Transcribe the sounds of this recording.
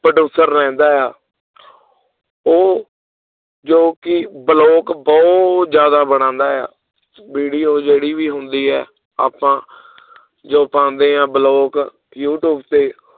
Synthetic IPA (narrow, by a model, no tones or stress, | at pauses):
pɾəɖuːsəɾːɛ̃ːnd̪aːjaː | oː | d͡ʒoːkɪbəloːkbɔʊt̪d͡ʒjaːd̪aːbəɽ̃ãːnd̪aːja̰ː | biːɖiːoːd͡ʒeːɽiːʋiːɦʊnd̪iːɦɛː | a̰ːpãː | d͡ʒoːpãːnd̪ẽːãːbəloːk | juːʈjuːbt̪eː